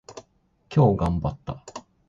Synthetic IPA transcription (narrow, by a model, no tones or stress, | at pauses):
kʲo̞ːɡãmbat̪ːa